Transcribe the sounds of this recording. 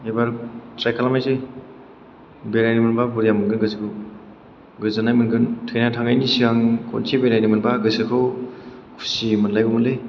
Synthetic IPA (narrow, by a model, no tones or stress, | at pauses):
ebaɾtɾajkʰalamajze | beɾajnimɯnbabuɾijamɯnɡɯnɡɯsikʰɯw | ɡɯzanajmɯnɡɯntʰɯjnatʰaŋɡajnisiaŋkʰɔ̰nsʰebeɾajnimɯnbaɡɯsɯkʰɯwkʰu̥simɯnlajɡumɯnle